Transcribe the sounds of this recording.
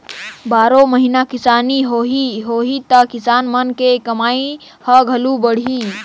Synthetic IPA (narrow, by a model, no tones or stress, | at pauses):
baːɾoməɦinakisaniɦoɦiɦoɦit̪əkisaːnmənkekəmai | həɡʱəlubəɽ̤ɦi